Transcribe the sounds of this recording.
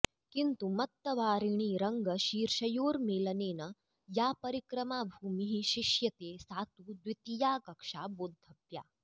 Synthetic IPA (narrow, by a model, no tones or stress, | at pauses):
kint̪umɐt̪ːɐʋaːɾiɳ̃iːɾɐŋɡəʃiːɾʃɐjoːɾmeːlɐneːnɐ | japɐɾikɾɐmabʱuːmiɦiɕiʂjɐt̪esaːt̪uːd̪ʋit̪ijaːkɐkʂaboːd̪ʱːɐpja̰